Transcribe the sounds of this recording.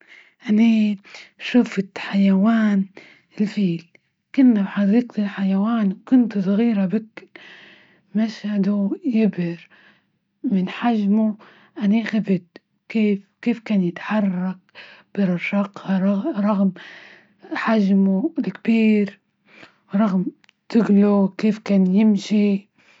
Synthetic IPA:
ʔani | ʃʊft̪ħajawaːn | ɪlfiːl | kʊnːabħadiːqt̪ɪlħajawaːnwkʊnt̪sˤɣiːɾabɪk | maʃhad̪ujɪbɪɾ | mɪnħaʒmu | ʔaniːxabɪd̪ | keːfkeːfkaːnjɪt̪ḁħɑrˤːɑk̚b̥ɪɾˤɑʃɑqʰɑɾˤɑɾˤɑɣm | ħaʒmulɪkbiːɾ | ɾˤɑɣm | t̪ɪɡlukeːfkaːnjɪmʃi

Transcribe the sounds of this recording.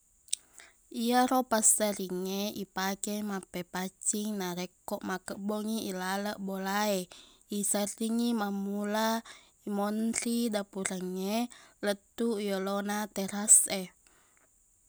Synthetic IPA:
ijaɾopastəriŋeipakemapepat͡ʃiŋnaɾɛkɔʔmakəʔboŋiːlaləʔbolaeisəriŋimamula | imɔnridapuɾəŋːelət̪ujolonat̪ɛɾase

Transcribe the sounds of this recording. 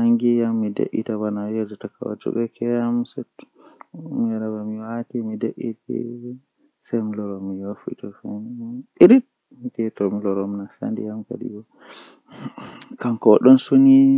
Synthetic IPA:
aŋɡijamːidḛʔḭtawanajɛd͡ʒɔtaka̰wa̰d͡ʒṵbɛkʰɛjamsɛ | mɾabamiwatimideʔitḭ | sɛmilɔɾɔmijofḭtɔfɛniɾit̚ | mitɛtɔmlɔɾɔmnasa̰ndḭjamka̰ɗḭɡɔ | kaŋkɔɗɔnsoni

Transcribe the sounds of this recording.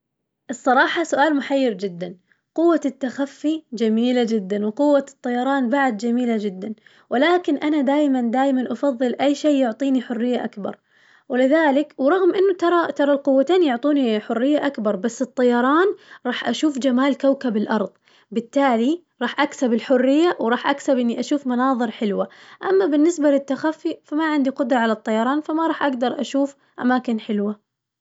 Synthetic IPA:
ʔɨsˤːɑɾˤɑːħɑsʊʔaːlmʊħajːɪɾd͡ʒɪd̪ːan | qʊwːat̪ːaxafːid͡ʒamiːlad͡ʒɪd̪ːanwɪqʊwːat̪ˤːɑjɑɾˤɑːnbaʕd̪̚d͡ʒamiːlad͡ʒɪd̪ːan | wʔɪlaːkɪnʔanad̪aːjmand̪aːjmanʔɑfɑðˤːɨlʔajːʃeːjʊʕt̪ˤiːniħʊrːɪjːaʔakbɑ̰ɾˤ | wɪlɪðaːlɪkwɾˤɑɣmʔɪnːʊt̪ɑɾˤɑt̪ɑɾˤɑlqʊwːat̪aːnijʊʕt̪ˤuːniħʊrːɪjːaʔakbɑɾˤbasːɨt̪ˤːɑjɑɾˤɑːnɾˤɑːħʔaʃuːfd͡ʒamaːlkawkabɪlʔɑɾˤðˤ | bɪt̪ːaːli | ɾˤɑːħʔaksabɪlħʊrːɪjːawɾˤɑːħʔaksabʔɪnːiʔaʃuːfmɑnɑːðˤɨɾħɪlwaʔamːabɪnːɪsbalɪt̪ːaxafːifamaʕɪnd̪iqʊd̪ɾˤɑʕalat̪ˤːɑjɑɾˤɑːnfamaɾˤɑːħʔaɡd̪ɑɾˤʔa̰ʃuːf | ʔa̰maːkɪnħɪlwa

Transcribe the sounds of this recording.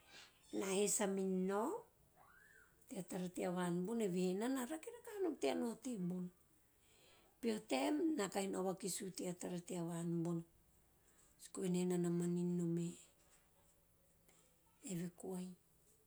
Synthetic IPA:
nahesaminːo | teataɾateaβanboneβeenanaɾakiɾakanuteanotembon | pio̞te̞mnakajnoβakisuteataɾateaβanbon | si̥koenenanamaninːome | eβekuaj

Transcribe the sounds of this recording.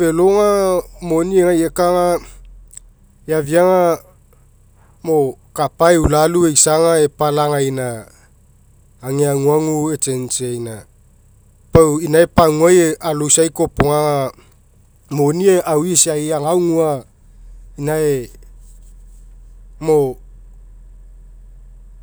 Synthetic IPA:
velo̞ŋamo̞nieŋajekaŋa | eaviaŋa | mo̞kapaeulaluejsaŋaepalaŋajna | ŋeaŋuaŋue̞t͡ʃe̞nt͡ʃiajna | pawinaepaŋuajeʔalowsajko̞poŋaŋa | monieʔawisiajaŋawŋua | inae | mo

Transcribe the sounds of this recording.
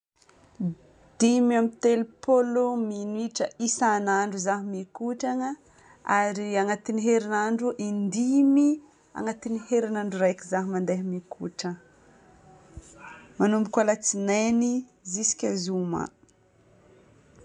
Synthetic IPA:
d̪̥imamit̪elupʰolominiʈ͡ʂəisanaɳɖ͡ʐuzaɦimikuʈ͡ʂaŋə | aɾiaŋat̪iniɦeɾinaɳɖ͡ʐuʔind̪imi | a̰ŋat̪iniheɾinaɳɖ͡ʐuɾajkizaɦimand̪eɦimikʰuʈ͡ʂə | manumbikalat͡sinanizisi̥kʲazuma̰

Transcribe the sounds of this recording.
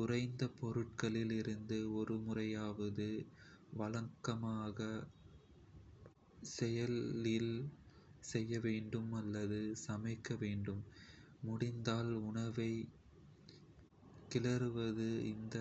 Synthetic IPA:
ʊrɐɪnd̪ɐpɔɾɯʈ̚kɐɭɪlɪɾɯnd̪ɯɔɾɯmʊrɐjaːʋɐðɯʋɐlɐŋkːɐmaːɣɐ | sɛjɐlɪl | sɛjːɐʋeːɳɖɯmɐlːɐðɯsɐmɐɪkːɐʋeːɳɖɯmːʊɽɪnd̪aːlʊɳɐʋɐɪ | kɪlɐɾɯʋɐðɯɪ̰nd̪ɐ

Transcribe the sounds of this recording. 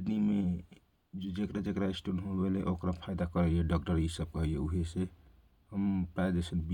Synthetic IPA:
nime | d͡ʒekɾad͡ʒekɾaisʈunɦobeleʔokɾapʰaɪd̪akəɾɛeɖɔk̚ʈəɾisəb̚kəɦjeuɦese | ɦəmpɾaed̪esənbi

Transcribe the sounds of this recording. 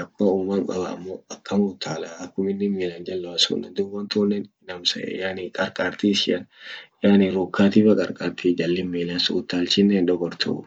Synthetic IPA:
ɐkːʊɐuːmaŋkʼɐbɐ̰ːmːoːɐkːɐmut̪ʰːaːlaːɐkːʊmɪnːɪmiːland͡ʒɐlːɐwɐsṵːnɐd̪ʊwɐnt̪uːnːennɐmsɐḛjanɪkʼɐɾkʼaːɾt̪iʃɪɐnjaːnɪɾuːkːaːt̪iːbɐkʼɐɾkʼaːɾt̪ʰiːd͡ʒɐlːɪmːiːlansʊːt̪ːaːlt͡ʃɪnːeːnᶑ̪ɔɡɔɾt̪ʰʊ̰

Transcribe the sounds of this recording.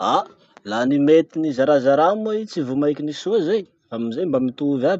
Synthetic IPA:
a | lanimet̪inizaɾazaɾamait͡sivumajkʲinisuazej | amizejmbamit̪uuvab

